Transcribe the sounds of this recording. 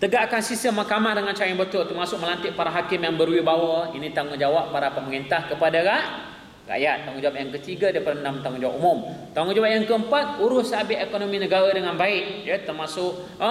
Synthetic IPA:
t̪əɡaʔkansistəmːakamahdəŋant͡ʃaɾaŋbət̪ʊlt̪ərmasʊk̚məlant̪ɪʔ̚paɾaɦakɪmjaŋbəɾwibawəinĩt̪aŋud͡ʒawaʔːaɾapat̪̚məŋint̪ahkəpadaɾaʔ | ra̰ʔjat̪ːaŋud͡ʒawap̚jaŋkət̪iɡadapəɾəndamt̪aŋud͡ʒawa̰ʔumʊmt̪aŋud͡ʒawaʔ̚jaŋkəəmpat̪̚uɾʊssabɪʔekonomĩnəɡaɾadəŋanbaɪʔ̚jət̪ərmasʊk̚

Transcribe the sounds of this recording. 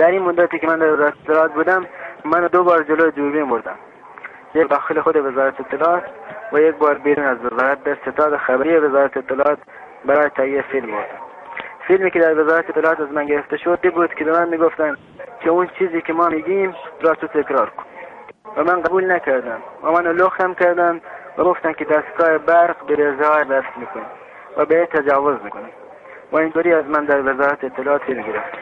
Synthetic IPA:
d̪æɾiːnmod̪ːæt̪iːkemænd̪æɾvezɑːɾæt̪et̪ːlɑːt̪̚buːd̪æmːænd̪obɑːɾd͡ʒelojed͡ʒuːɾbiːmboɾd̪æ̰m | jed̪ɑːxelexod̪evezɑːɾæt̪eet̪ʰːelːɑːt̪væjek̚bɑːɾbeɾuːnæzvezɑːɾæt̪̚d̪æɾset̪ʰɑːd̪exæbæɾiːevezɑːɾæt̪eːt̪ʰːelɑɑːt̪̚ | bæɾɑːjet̪ʰæhiːefilmboɾd̪æm | filmiːked̪æɾvezɑːɾæt̪et̪ːelɑɑːt̪æzmænɡeɾeft̪eʃod̪ebuːd̪kʰebemænmiːɡoft̪æm | kʲʰeunt͡ʃʰiːziːkʲemɑːmiːɡ̪iːmɾɑːt̪ut̪ʰekɾɑːɾko̥n | væmænqæbuːlnækæɾd̪æmvæmænoloxt̪æmkæɾd̪æmvæɡoft̪æmked̪æst̪ɡɑːhebæɾqbeɾezɑːdæfsmiːkonam | væbeet̪ʰːad͡ʒɑːvozmikonam | væind̪oɾiːæzmænd̪æɾvezɑːɾat̪eet̪ʰːelɑɑːt̪filmɡeɾeft̪

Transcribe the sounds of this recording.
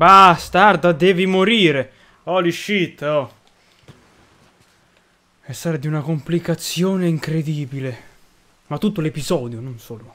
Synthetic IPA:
bast̪aɾd̪ad̪ɛːvimoɾiːɾe | ɔliʃːit̪ːɔ | ɛsaɾad̪iunakomplikat̪sːjɔːneiŋkɾed̪iːbile | mat̪ːut̪̬ːolepizɔːd̪jononsɔːlʊ

